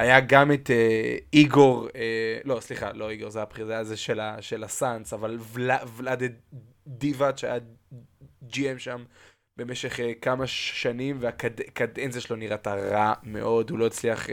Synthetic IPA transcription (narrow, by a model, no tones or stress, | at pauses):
ajaɡamet̪eiɡo̞ʁelo̞sliχa̰lo̞iɡo̞ʁzejabχiʁjazeʃelaʃelasansavalvlavlad̪e | d̪ivad̪ʃea̰ja | d͡ʒiemʃam | b̥emeʃeχkamaʃʃanimveakadekad̪enzeʃloniʁataʁame̞̰ʔo̞dulo̞it͡sliaχ